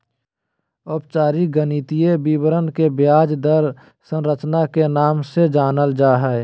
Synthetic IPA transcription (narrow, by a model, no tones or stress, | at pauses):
opt͡ʃaːɾiɡənit̪iebiːbɾənkebjaːd͡ʒd̪əɾ | sə̃nɾət͡ʃnakenaːmsed͡ʒaːnəld͡ʒaːɦɛː